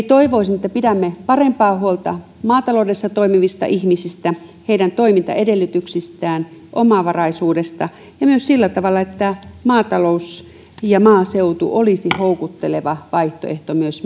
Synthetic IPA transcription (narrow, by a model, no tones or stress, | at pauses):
t̪oiʋoisinĕt̪ːæpitæmːepɑrempɑːhuolt̪ɑ̰ | mɑːt̪ɑloudesːɑt̪oimiʋist̪ɑ̰ʔihmisist̪æheidænt̪oimint̪ɑ̰edelːyt̪yksist̪æːnʔomɑʋɑrɑisuːdest̪ɑ | jɑmyøssilːæt̪ɑʋɑlːˑɑet̪ːæmɑːt̪ɑlous | jɑmɑːseut̪ṵʔolisihoukut̪ːeleʋɑʋɑiht̪o̰eht̪omyøs